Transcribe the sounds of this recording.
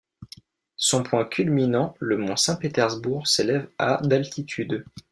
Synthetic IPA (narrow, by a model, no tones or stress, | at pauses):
sɔ̃pwɛ̃kʲylminɑ̃ləmɔ̃sɛ̃pet̪ɛʁzbuʁselɛva̰d̪alt̪ʰit̪ʰyd̪